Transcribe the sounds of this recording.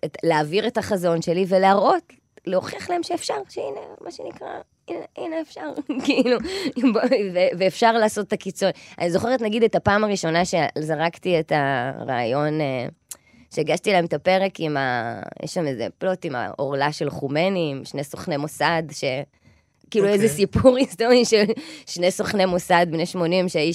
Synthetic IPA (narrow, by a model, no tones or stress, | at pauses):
etleaviʁetaχazo̞nʃe̞live̞leaʁo̞t | leoχiaχlaemʃeːfʃaʁʃeinemʔaʃenikʁa̰ | ineʔineːfʃaʁkiiluboveveːfʃaʁlaːso̞t̪takit͡soa̰nizo̞χeʁetnaɡid̪etapaːmaʁiʃo̞naʃezaʁaktietaʁa̰ːjo̞ne | ʃeːɡaʃtielaemt̪ape̞ʁe̞kima̰jʔɛ̰ʃlamezḛplo̞tima̰ʔo̞̰ʁlaʃe̞lχume̞nimʃneso̞χne̞mosad̪ʃe̞ | kiːluezesipuʁistoʁiʃelʃnesoχne̞mosadmneʃmo̞nimʃeai